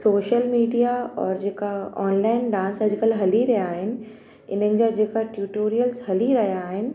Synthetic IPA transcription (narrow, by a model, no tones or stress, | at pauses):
soːʃəlmiːɖijaɔ̰ːɾd͡ʑeːkaɔːnlaːɪnɖãːnsɐd͡ʑɪkəlɦɐliɾɐɦjaːɦɪnɪ̆ | ɪn̤ənɪ̆d͡ʑad͡ʑeːkaʈjuːʈoːɾijəlsɦɐliɾɐɦijaːɦɪnɪ̆